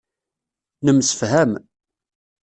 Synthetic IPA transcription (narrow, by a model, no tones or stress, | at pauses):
nəmsə̥fɦæm